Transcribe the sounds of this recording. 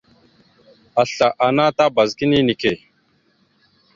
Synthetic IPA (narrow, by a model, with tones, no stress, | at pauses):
a˨ɬa˨ʔa˨na˦ta˦ba˨zki˦ni˦ni˨ke˦˨